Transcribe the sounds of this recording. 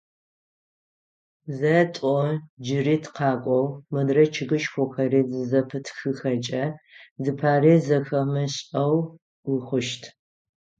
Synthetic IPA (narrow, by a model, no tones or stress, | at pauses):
zɐtʼɔd͡ʒɪriːtʰqɑːkʷʼɔwmɨdrɐt͡ʃʰɨɣɨʃxʷʊxɐriːzɨzɐpʰɨtʰxɨxɐt͡ʃʼɐzɨpʰaːriːzɐxɐmɐɕʼɐw | wʊxʷʊʃtʰ